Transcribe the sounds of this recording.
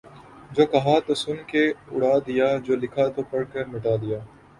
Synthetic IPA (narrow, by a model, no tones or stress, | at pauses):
d͡ʒoːkɐɦaːt̪oːsʊnkeʊ̰ɽ̤aːd̪ɪjaːd͡ʒoːlɪkʰaːt̪oːpɐɽkəɾmɪʈaːd̪ɪjaː